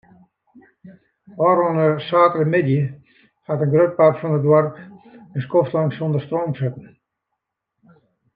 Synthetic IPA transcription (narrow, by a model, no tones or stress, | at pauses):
ɔːɾɔnəsaːtərəmɪdjə | hatənɡrøt̚parfɔnədwɔrkənskoftlaŋsondərstroːmsɪtn̩